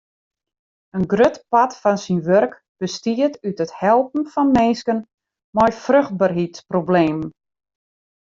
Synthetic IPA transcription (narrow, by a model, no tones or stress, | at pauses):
ənɡrøtpatfɔnsinʋørk | b̥əstiətytəthɛlˠpn̩fɔnmenskən | mɔjfrøxt̚barɦitsprobleːm